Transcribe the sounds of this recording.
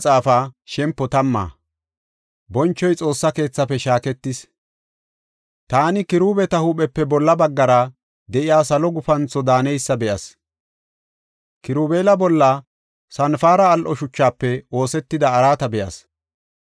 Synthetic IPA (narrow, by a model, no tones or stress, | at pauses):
t͡sʼaːfaʃɛmpːɔt̪ɐmːa̰ː | bɔnt͡ʃːɔjt͡sʼo̞ːsːɐke̞ːt͡sːɐpːɛʃaːkɛt̪ːɪs | t̪aːnɪkɪɾuːbɛt̪ɐhupɛpːɛbɔlːɐbɐɡːɐɾɐ | d̪ɛʔɪjaːsɐlɔɡʊfɐnt͡sɔd̪aːnɛjsːɐbɛʔɐs | kɪɾuːbeːlɐbɔlːɐ | sɐnfaːɾɐːlʔɔʃʊt͡ʃːaːpːɛo̞ːsɛt̪ːɪd̪ɐːɾaːt̪ɐbɛʔɐ̰s